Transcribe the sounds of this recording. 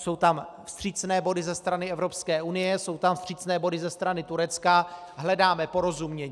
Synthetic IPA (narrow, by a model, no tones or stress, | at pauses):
so̞wt̪amfst̪r̝̥it͡snɛːbo̞dɪzɛst̪ɾanɪɛvɾo̞pskɛːʔunɪjɛso̞wt̪amfst̪r̥iːt͡snɛːbo̞dɪzɛst̪ɾanɪt̪uɾɛt͡ska | ɦlɛdaːmɛpo̞ɾozumɲɛɲː